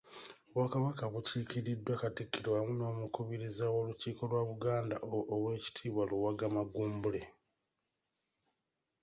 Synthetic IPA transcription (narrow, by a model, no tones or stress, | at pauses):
oβwakaβakaβuciːciɾidːwakatikːiɾwamuno̞ːmukuβiɾizawo̞luciːko̞lwaβuɡaːnda̰ʔːwe̞ːci̥tʰiːβwaluwaɡamaɡuːmbule̞